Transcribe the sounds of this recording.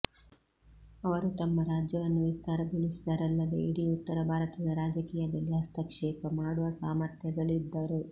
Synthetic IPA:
ɐʋɐɾut̪ɐmːɐɾaːd͡ʒjɐʋɐnːuʋist̪aːɾɐɡʱuɭisid̪ɐɾɐlːɐd̪ḛiɽiut̪ːɐɾɐbʱaːɾɐt̪ɐd̪ɐɾaːd͡ʒɐkiːjɐd̪ɐlːiɦɐst̪ɐkʂɛːpɐmaːɽuʋɐsaːmɐɾt̪ʰjɐɡ̪ɐɭid̪ːɐɾu

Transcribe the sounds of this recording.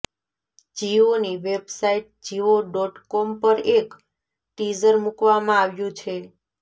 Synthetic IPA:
d͡ʒioniʋebsaiʈ̚d͡ʒiʋoɖɔʈkɔmpəɾek | ʈizəɾmukʋamãaʋjũt͡ʃʰe

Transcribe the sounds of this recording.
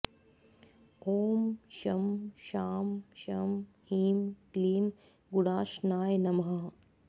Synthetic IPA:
oːmʃɐmʃaːmʃɐmhiːmkliːm | ɡuɽaːʃnaːjnɐmɦɐ

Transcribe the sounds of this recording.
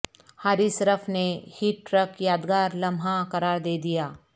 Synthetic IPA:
haːɾisɐɾəpʰnehiːʈːɾəkjaːd̪ɡaːɾlɐ̃mʱãkɐɾaːɾd̪eːd̪ijaː

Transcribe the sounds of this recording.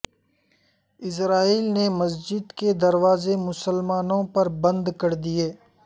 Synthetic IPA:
ɪs̬ɾaːiːlnemɐs̬d͡ʒɪd̪ked̪ɐɾwaːzemʊsəlmaːnõpɐɾbɐ̃nd̪kɐɾd̪ijeː

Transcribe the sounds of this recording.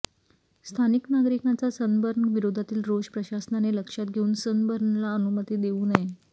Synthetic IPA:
st̪ʰaniknaɡɾikãt͡sasənbəɾɳʋiɾod̪ʱat̪iːlɾod͡ʑpɾəɕasnaneləkʂat̪ɡʱeuːnsənbəɾɳlaənumət̪iːd̪euːnəɦe

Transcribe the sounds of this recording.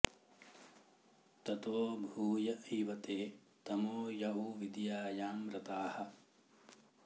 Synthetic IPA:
t̪ɐt̪oːbʱuːjɐiːʋɐt̪eː | t̪ɐmoːjɐɦuʋid̪jaːjaːmɾɐt̪aːhɐ̆

